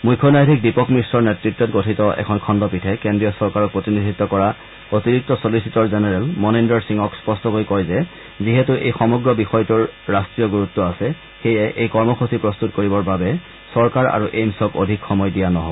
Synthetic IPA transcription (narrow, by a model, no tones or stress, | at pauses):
mujkʰːɔnajdʱik̚dipɔkmɹisɔɹnetɹitːɔtɡotʰitɔʔɛ̰kʰɔnkʰɔndɔpitʰɛkendɹijɔsɔɹkaɹɔk̚pɹotinidʱitːɔkɔɹa | otiɹik̚tɔsolisitɔɹzenɛɹɛlmɔnindɔɹsiŋɔkspɔstɔkojkɔjzɛ | ziɦɛtuʔḛjxɔmɔɡɹɔbixɔjtuɹːastɹijɔɡuɹutːɔasɛ | xejɛʔejkɔɹmɔxusipɹɔst̪utkoɹibɔɹbabɛ | sɔɹkaɹa̰ɹuʔejmsɔko̰dʱikxɔmɔjdijanɔɦobɔ